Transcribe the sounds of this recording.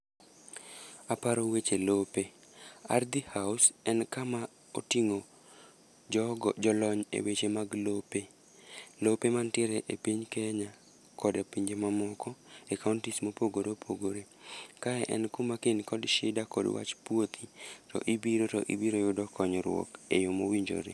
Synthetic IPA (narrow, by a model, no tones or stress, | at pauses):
apaɾowet͡ʃelope | a̰rd̪ihaʊsɛnkama | o̰tiŋo | d͡ʒɔɡd͡ʒɔlɔɲḛwet͡ʃemaɡlope | lopemantɛɾeʔepiɲkeɲa | kʰɔdepiɲd͡ʒemamɔkɔekauntismopoɡoɾopʰoɡoɾe | kaɛʔɛnkumakenkɔdʃɪdakɔ̰dwa̰t͡ʃpwot̪ʰitɔ̰ʔibiɾotɔ̰ʔibiɾojʊdɔkɔɲɔɾwɔ̰kejomowiɲd͡ʒo̰ɾḛ